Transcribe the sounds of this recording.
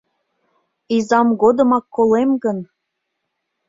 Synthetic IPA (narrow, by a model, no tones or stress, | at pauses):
izɑmɡod̪ɤə̆mɑkːolemɡən